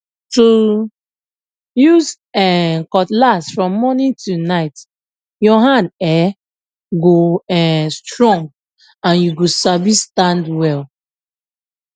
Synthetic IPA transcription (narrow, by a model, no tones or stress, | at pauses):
tu | juz | ɛkɔtlasfɹɔ̃mːɔnĩntʰunaɪt | jɔɦãndɛ | ɡoɛstɹɔ̃ŋɡ | ãnjuɡosabistãndwɛl